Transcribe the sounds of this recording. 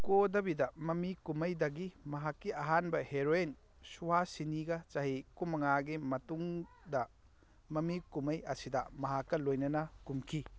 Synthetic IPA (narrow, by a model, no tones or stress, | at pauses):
kodɐbidɐmɐmikumɐjdɐɡimɐɦakːiɐɦanbɐheɾoen | suwasiniɡɐt͡ʃɐɦikumɐŋaɡimɐtuŋ | dɐ | mɐmikumɐjɐsidɐmɐɦakːɐlojnɐnɐkumkʰi